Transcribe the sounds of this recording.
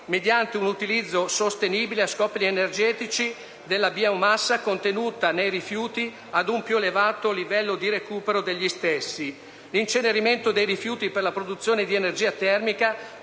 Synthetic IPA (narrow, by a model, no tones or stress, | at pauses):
med̪jant̪eunut̪ilid̪zːosost̪eniːbileaskɔplienerd͡ʒɛːt̪it͡ʃi | d̪elːabiaummasːakont̪enuːt̪anejrifjuːt̪i | ad̪umpjuelevaːt̪olivɛlːod̪iɾekuːpeɾod̪eʎːist̪esːi | lint͡ʃeneɾiment̪od̪ejrifjuːt̪iperlapɾod̪ut̪sːjoːned̪ienerd͡ʒiːat̪ɛrmika